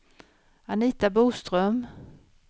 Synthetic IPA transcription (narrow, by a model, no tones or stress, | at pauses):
aniːt̪abuːst̪ɾœm